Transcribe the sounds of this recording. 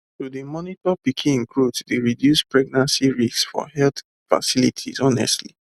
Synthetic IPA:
tudimɔnitɔpikʰĩĩŋkɹudsdeɹidjuspɹɛɡ̚nãnsiɹisksfɔ̰hɛlt̪ | fa̰silḭtʰḭzɔnɛ̰stli

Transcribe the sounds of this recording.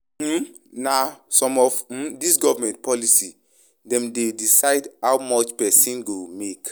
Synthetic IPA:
nasɔ̃mɔv̩disɡɔvamɛ̃nt̚pʰɔlisi | dɛ̃mdedisaɪdhawmɔt͡ʃpɛsĩnɡomek

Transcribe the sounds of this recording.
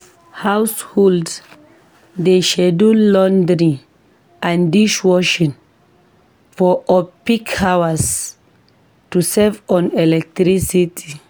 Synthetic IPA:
hawshɔld | deʃɛdulɔ̃ndɹi | ãndiʃwɔʃĩn | fɔʔɔpikhawəs | tusɛvɔ̃nɛlɛk̚tɾisitʰi

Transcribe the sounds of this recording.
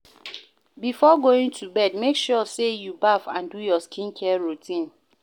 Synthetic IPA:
bifɔɡoĩŋtʰubɛdmekʃɔsejubafãndujɔskʰĩnkʰɛɹutʰĩn

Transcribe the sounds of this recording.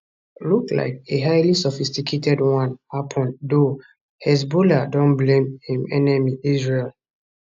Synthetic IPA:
lukla̰ɪk̚eɦaɪlisɔfistikʰetʰɛdwãnhapʰɔ̃ndo | hɛs̬boladɔ̃nblẽmhĩmɛnɛmiizɹel

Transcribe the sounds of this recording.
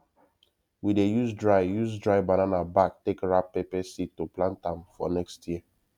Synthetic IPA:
widejuzdɹaɪjuzdɹaɪbananabak̚tekɹapːepɛsitːuplãntãmfɔnɛkstʰji

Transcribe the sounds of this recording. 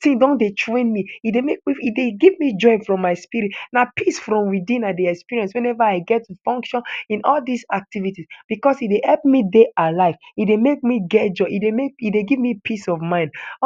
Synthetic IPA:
tĩŋdõndetʰɹẽnmiidemek̚miideɡivmid͡ʒɔɪfɹɔ̃mːaɪspiɹitnapisfɹɔ̃mwiðĩnadiɛkspiɹiɛ̃nswɛ̃nɛvaaɪɡɛtːufɔ̃ŋkʃɔ̃nĩnʔɔlˠdizak̚tivitisb̥ikɔsidehɛlp̚mideʔalaɪvidemek̚miɡɛd͡ʒɔidemek̚ideɡivmipʰisɔvmãɪ̃nd

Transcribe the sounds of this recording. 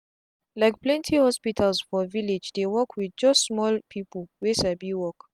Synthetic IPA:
lajk̚plɛ̃ntʰihɔspitʰalsfɔviled͡ʒdewɔkʰwidd͡ʒɔstsmɔlpʰipəlwesabiwɔk

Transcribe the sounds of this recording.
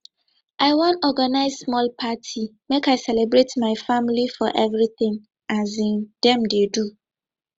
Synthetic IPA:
ʔaɪwɔ̃nɔɡanaɪzsmɔlpʰatʰi | mekaɪsɛlebɹetmaɪfamlifɔʔɛvɹiθɪ̃ŋ | ʔazĩnd̥ɛ̃mdedu

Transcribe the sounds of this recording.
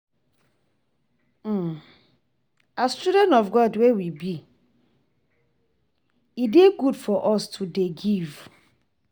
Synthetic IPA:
ast͡ʃudɛ̃nɔfɡɔdwewibi | ideɡudfɔʔɔstʰudeɡiv̥

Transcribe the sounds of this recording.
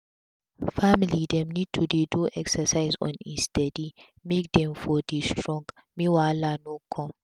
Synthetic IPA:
familid̪ɛmnid̚t̪ʰudeduʔɛksɐsaɪzɔ̰̃nist̪ɛdi | mek̚d̪ɛ̃mfɔd̪istʰɾɔ̃ŋɡ | miwalanɔkʰːɔm

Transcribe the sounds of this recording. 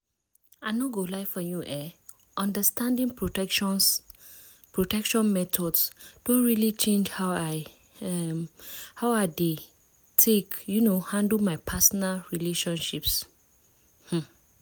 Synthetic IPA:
aɪnɔɡolaɪfənjuʔɛ | ʔɔ̃ndəstãndĩŋ | pɹotɛkʃɔ̃nmɛtʰɔdsd̥õnɹilit͡ʃʰẽnd͡ʒhawaɪ | mhawaɪde | tʰekjunohãndl̩ˠmaɪpʰasɔnalɹileʃɔ̃nʃips | h̩

